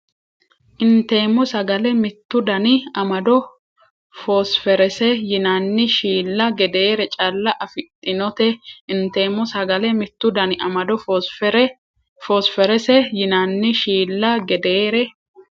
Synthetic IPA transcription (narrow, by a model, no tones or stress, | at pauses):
ʔɪnt̪e̞ːmːɔsɐɡɐlɛmɪt̪ːʊd̪ɐnɪɐmɐd̪ɔ | fosfɛɾɛsɛjɪnɐnːɪʃiːlːɐɡɛd̪eːɾɛt͡ʃʼɐlːɐʔɐfɪt̪ʼːɪnɔt̪ɛɪnt̪e̞ːmːɔsɐɡɐlɛmɪt̪ːʊd̪ɐnɪʔɐmɐd̪ɔfɾ | fosfɛɾɛsɛjɪnanːɪʃiːlːɐɡɛd̪eːɾɛ